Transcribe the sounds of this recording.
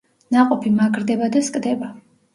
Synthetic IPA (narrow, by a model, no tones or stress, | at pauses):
naqʼɔpʰimaɡɾd̪ɛbad̪askʼd̪ɛba